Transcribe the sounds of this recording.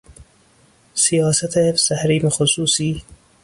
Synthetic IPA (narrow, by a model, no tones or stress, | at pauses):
sijɑːsat̪ʰesæhɾiːmxosuːsiː